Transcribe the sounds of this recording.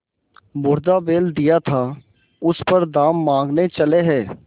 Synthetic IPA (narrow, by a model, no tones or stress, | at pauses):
bʊɾd̪aːbeːld̪ɪjaːt̪ʰaː | ʊspəɾd̪aːmːãːŋɡneːt͡ʃəleːɦɛː